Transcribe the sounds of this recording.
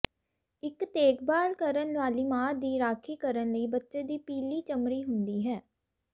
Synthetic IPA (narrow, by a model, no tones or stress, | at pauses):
ɪkt̪eːkʰbaːlkəɾənʋaːliːmaːd̪iːɾaːkʰiːkəɾənləiːbətːʃeːd̪iːpiːliːt͡ʃəmɾiːɦʊnd̪iːɦɛː